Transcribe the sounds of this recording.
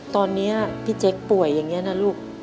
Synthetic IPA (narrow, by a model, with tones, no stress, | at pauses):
t̪ɔː˧nːi˦˥ɐpʰiː˦˥˩t͡ɕe˦˥k̚pu˨˩əjːaː˨˩ŋːi˦˥ɐna˦˥luː˥˩k̚